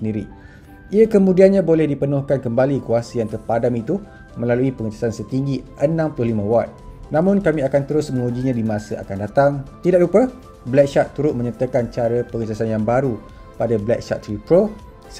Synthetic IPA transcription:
səndiɾḭ | ʔiakəmũdianɲãbolɛhdipənʊhkankəmbalikuasəjaŋt̪ərpadamit̪u | mə̃laluipəŋəd͡ʒasansət̪iŋɡiʔənãmpəlʊhlimãwat̪̚nãmʊ̃nkamĩakant̪əɾʊsmə̃ŋud͡ʒiɲãdimãsəʔa̰kandat̪aŋt̪idaʔ̚dupə | blɛk̚ʃat̪ːuɾʊt̪̚mə̃ɲat̪əkant͡ʃaɾəpəŋəd͡ʒasanjaŋbaɾu | padablɛk̚ʃa̰t̪̚ːɾipɾo | s

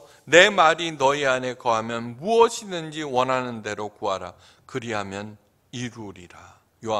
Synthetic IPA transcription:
ne̞maɾinʌiane̞kʌɦamjʌnmuʌɕʰinɯnd͡ʑiwʌnɦanɯnde̞ɾokuɦaɾa̰ | kɯɾiɦamjʌn | iɾuɾiɾa | joa

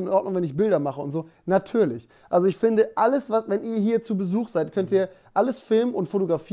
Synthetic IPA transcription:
nnʔɔɐt̚nʊŋvɛnɪç̬b̥ɪldɐmaχəʊntz̥oːnatʰyːɐlɪç | ʔalzoɪçfɪndəʔaləsvasvɛnʔiːɐɦiːɐt͡suːbəzuːxz̥aɪtkʰœntiːɐʔaləsfɪlməʊntfotoɡʁafiː

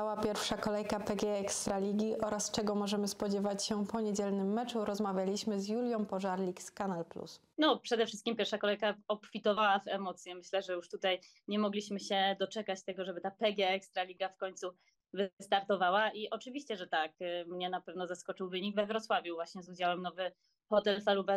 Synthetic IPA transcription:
awapʲjɛɾfʂakɔlɛjkapɛɡʲjɛɛkst̪ɾalʲiɡʲiʔɔɾast͡ʂɛɡɔmɔʐɛmɘspɔd͡ʑɛvat͡ɕɕɛpɔɲed͡ʑɛlnɘmːɛt͡ʂuɾɔzmavʲjalʲiɕmɘzjulʲjɔ̃mpɔʐaɾlʲikskanalplṵs | nɔpʂɛd̪ɛfʂɘst̪̚kʲimpʲjɛɾfʂakɔlɛjkaɔpfʲit̪ɔvawavɛmɔt̪sjɛmɘɕlɛʐɛjuʂt̪ut̪aj | ɲɛmɔɡlʲiɕmɘɕɛd̪ɔt͡ʂɛkat͡ɕt̪ɛɡɔʐɛbɘt̪apɛɡʲjɛɛkst̪ɾalʲiɡafkɔɲt̪su | vɘst̪aɾt̪ɔvawaʔiʔɔt͡ʂɘvʲiɕt͡ɕɛʐɛt̪akmɲɛnapɛvnɔzaskɔt͡ʂɘwvɘɲiɡvɛvɾɔt̪swavʲjuvwaɕɲɛzud͡ʑawɛmnɔvɘ | xɔt̪ɛlfalubɛ

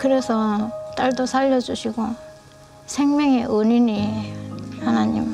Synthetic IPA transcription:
kɯɾe̞sʰʌt͈aɭdosʰaʎːʌd͡ʑuɕʰiɡo | sʰeŋmjʌŋeʔɯnini | hanaɲḭm

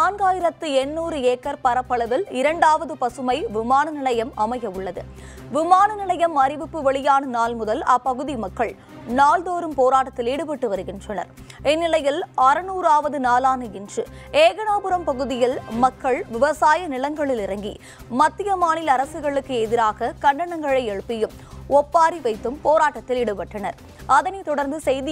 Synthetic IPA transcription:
naːnɡaːjɪɾɐt̪ːɯɛnːuːɾɯeːkːɐɾpɐɾɐpːɐɭɐðɪlɪɾɐɳɖaːʋɐðɯpɐsɯmɐɪʋɪmaːnɐnɪlɐjɐmɐmɐjɐʋɯɭːɐðɯ̰ | ʋɪmaːnɐnɪlɐjɐmɐɾɪʋɪpːɯʋɛɭɪjaːnɐnaːlmʊðɐlɐpːɐɣɯðimɐkːɐɭ | naːld̪oːɾɯmpoːɾaːʈːɐt̪ːɪliːɽɯpɪʈːɯʋɐɾɯɣɪndrɐnɐ̰ɾ | ɛnːɪlɐjɪlɐɾɯnuːɾaːʋɐðɯnaːlaːnɯɪndrɯeːɣɐɳaːpɯɾɐmpɐɣɯðɪjɪlmɐkːɐɭʋɪʋɐsaːjɐnɪlɐŋɡɐɭɪlɪrɐŋɡi | mɐt̪ːɪjɐmaːnɪlɐɾɐsɯɣɐɭɯkːɯɛðɪɾaːɣɐkɐɳɖɐɳɐŋɡɐɭɐɪɛɻɯpːɪjɯm | ɔpːaːɾiʋɐɪt̪ːɯmpoːɾaːʈːɐt̪ːɪlɪɽɯpɐʈːɐnɐɾ | ɐðɐnɐɪt̪ɔɽɐɾnd̪ɯsɛjðɪ

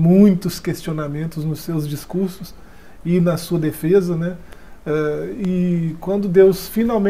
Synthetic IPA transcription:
mũj̃t̪ʊskest͡ʃionamẽnt̪ʊznʊsːewzd͡ʒiskuɾsʊs | ɪnɐsuɐd̪efezɐnɛɛɪkwɐ̃nd̪ʊd̪ewsfinawmẽ

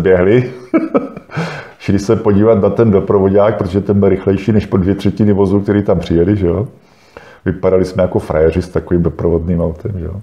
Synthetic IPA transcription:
bjɛɦlɪ | ʃɪlɪsɛpo̞ɟiːvat̪nat̪ɛndo̞pɾovoɟaːk̚pɾot̪oʒɛt̪ɛmbɪlɾɪxlɛjʃiːnɛʃpodvjɛt̪r̥ɛcɪnɪvo̞zuk̚t̪ɛɾiːt̪ampr̥ɪjɛlɪʒɛjo | vɪpadalɪsmɛjako̞fɾʔajɛrɪst̪akoviːmdo̞pɾovodniːmawt̪ɛmʒɛ̰jo

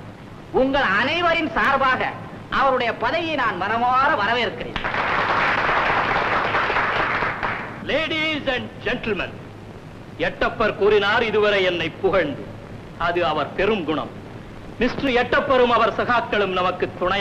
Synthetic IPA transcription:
ʊŋɡɐɭɐnɐɪʋɐɾɪnsaːɾbaːɣɐ̰ | ʔɐʋɐɾɯɽɐjɐpɐðɐjɐɪnaːnmɐɾɐmaːɾɐʋɐɾɐʋeːɾɯkːɪrḛː | leːɽisɐɳɖd͡ʒɛɳʈɐlmɐ̰n | ɛʈːɐpːɐɾkuːɾɪnaːɾɪðɯʋɐɾɐɛnːɐɪpːʊɣɐɳd̪ɯ | ɐðɯɐʋɐɾpɛɾɯmɡʊɳɐ̰m | mɪsʈrɯɛʈːɐpːɐɾɯmɐʋɐɾsɐɣaːkːɐɭɯmnɐmɐkːɯt̪ːʊɳɐ

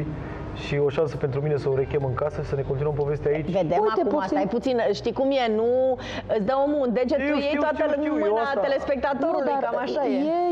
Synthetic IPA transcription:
ʃio̞ʃansəpent̪ɾuminesəoɾe̞kʲemɨŋkasəsəne̞kont̪inəmpo̞ve̞st̪eait͡ʃve̞d̪emak̪uasaajput̪sinʃt̪ikumjenu | ɨt̪sʲd̪əomund̪e̞d͡ʒet̪ujej̪oat̪əmɨnat̪e̞le̞spe̞k̚t̪at̪o̞ɾulujkamaʃajee

